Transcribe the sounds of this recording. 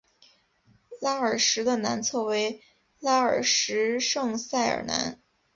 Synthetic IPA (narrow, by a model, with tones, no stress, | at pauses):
la˥ə˞˨˩ʂɻ̩˧˥d̪ə˧na˧˥nt͡sʰɤ˥˩we˧˥ɪ | la˥ə˞˨˩ʂɻ̩˧˥ʂɤ˥˧ŋsa˥˩ɪə̰˨˩na̰˧˥n